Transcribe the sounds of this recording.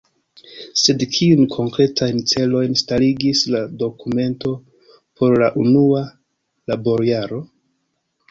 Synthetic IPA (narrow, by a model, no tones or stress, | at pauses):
se̞dkʰiunkʰo̞ŋkɾe̞tʰajnt͡se̞lo̞jnstaliɡislado̞kume̞nto̞ | po̞ɾlaʔunua | labo̞ɾiaɾo̞